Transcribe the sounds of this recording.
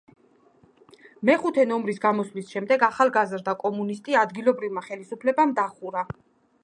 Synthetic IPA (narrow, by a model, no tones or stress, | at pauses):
mɛχut̪ʰɛnɔmɾisɡamɔslisʃɛmd̪ɛɡaχalˠɡazɾd̪akʼɔmunist̪ʼiad̪ɡilˠɔbɾivmaχɛlisupʰlɛbamd̪aχuɾa